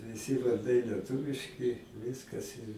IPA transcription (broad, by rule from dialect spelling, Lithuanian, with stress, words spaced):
ʋʲɪˈsʲɪ ʋɐrˈdɐɪ lʲiɛˈtʊʋʲɪʃʲkʲɪ ˈʋʲɪskɐs ɪr